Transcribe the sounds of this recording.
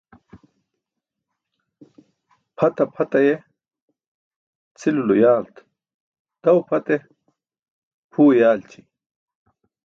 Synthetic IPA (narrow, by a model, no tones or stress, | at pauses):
pʰɐt̪ɐpʰɐt̪ɐje | t͡sʰilulujaːlt̪ | d̪̥ɐwpʰɐt̪e | pʰuːjaːlt͡ɕi